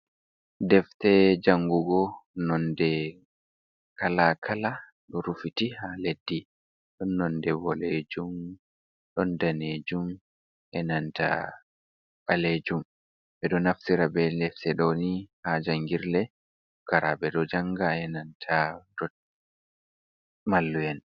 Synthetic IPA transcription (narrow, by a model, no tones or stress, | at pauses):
dɛftɛd͡ʒaŋɡuɡɔnɔndɛ | kalakʰala | ɗɔɾufitihaledːi | ɗɔnːɔndɛbɔled͡ʒum | ɗɔndaned͡ʒum | ʔɛnanta̰ | ɓaled͡ʒum | ɓɛɗɔnaftiɾabɛlɛfsɛɗɔnihad͡ʒaŋɡiɾlɛ | kaɾabɛɗɔd͡ʒaŋɡaɛnantʰadɔ | malːujɛn